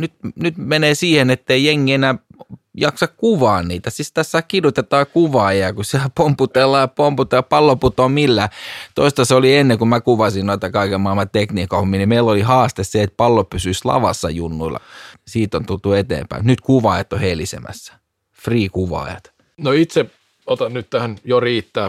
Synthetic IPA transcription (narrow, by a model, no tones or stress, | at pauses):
nyt̪nyt̪meneːsiːhenet̪ːeijeŋːienæːjɑksɑkkuʋɑːnniːt̪æsist̪æsːæːkkirut̪et̪ɑːkuʋɑːjɑkusiælpomput̪elːɑjɑpomput̪eɑpɑlːoput̪oːmilːæːt̪oist̪ɑseolienːeŋkumækuʋɑsinnoit̪ɑkɑikemɑˑilmɑtt̪ekniːkohmːinimeilːolihɑːst̪esseet̪̚pɑlːopysyslɑ̰ʋɑ̰sːɑ̰junːuilːɑ̰siːt̪ont̪ult̪uet̪ḛːmpæ̰imut̪nyt̪kuʋɑːjɑt̪ːohelisḛmæ̰sːæ̥ | friːkuʋɑ̰ːˑjɑ̰t̪ | noit̪se | ot̪ɑnnytt̪æhænjoriːt̪ːæː